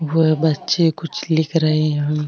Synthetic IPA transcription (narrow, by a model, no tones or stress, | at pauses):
ʋoɛbɐtːʃekʊt͡ʃʰlɪkʰɾɐɦeɦɛ̃ɦɐ̃m